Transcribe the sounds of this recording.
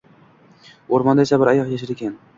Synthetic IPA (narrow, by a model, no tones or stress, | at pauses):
oɾmand̪aesabɪɾajɑqjaʃ̬ɪɾekʲʰan